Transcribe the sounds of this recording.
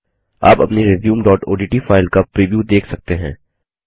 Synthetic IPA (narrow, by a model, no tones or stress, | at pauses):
a̰ːpɐpniɾɪzjuːmɖɔːʈo̰ːɖiːʈifaːɪlkapɾiːʋjuːd̪eːkʰsɐk̚t̪eɦɛ̰̃ː